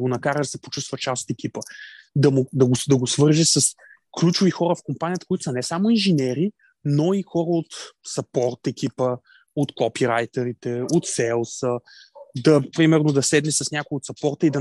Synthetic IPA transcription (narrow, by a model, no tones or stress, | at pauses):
ɡonɐkaɾəd̪ɐsɛ̥po̥t͡ʃust̪vət͡ʃast̪ɛk̟ʲipəd̪ɐmʊd̪ɐɡod̪ɐɡosvɤɾʒɛsɐs | klʲut͡ʃʊvixɔɾəfkompanʲijət̪əkoit̪ʊsɐnɛsamoinʒinɛɾi | noixɔɾəot̪sɐpɔɾt̪ɛkʲipə | ot̪kɔpiɾajt̪ɛɾit̪ɛot̪sɛlˠsə | d̪ɐpɾimɛɾnod̪ɐsɛd̪nɛsɐsnʲakʊiot̪sɐpɔɾt̪əid̪ɐ